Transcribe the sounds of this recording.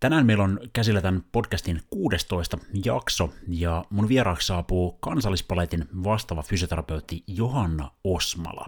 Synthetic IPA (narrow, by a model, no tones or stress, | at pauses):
t̪ænæːnmeilonkæsilːæt̪ænpo̞dkæst̪inkuːdest̪o̞ist̪ɑjɑ̰ksojɑmunʋieɾɑːkssɑːpuːkɑnsɑlːispɑlet̪inʋɑst̪ɑːʋɑfysiot̪e̞ɾɑpe̞wt̪ːijoɦɑnːɑ̰osmɑ̰lɑ̰